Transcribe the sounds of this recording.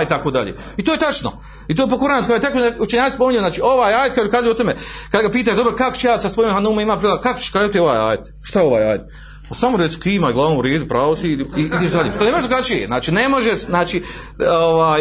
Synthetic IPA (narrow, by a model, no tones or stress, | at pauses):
it̪akoːd̪aʎḛː | it̪oːjet̪at͡ʃno̰ | it̪oːjep̬okoɾanskoajet̪akout͡ʃeɲaːspo̞miɲenaːt͡ʃiːo̞ʋaːjaːjet̪̚kaːʒuːkaːzeot̪omekad̪ɡapiːt̪̬aːʃd̪obɾokako̥t͡ʃejaːsasʋojiːmɦanuːmmimaːpɾiːlakako̥t͡ʃe̥ʃkɾaːjut̪ioʋa̰ːja̰ːjet̪ | ʃt̪ajeo̞ʋa̰ːja̰ːjet̪ | pasamoɾesi̥kiːmaːiɡlˠaːnoːuɾe̞ːd̪upɾaːʋosiiid̪eʃd̪alʲḭːmskalnemodɾuɡat͡ʃijḛznaːt͡ʃiːnemo̞ʒeʃnaːt͡ʃiː | oʋaːj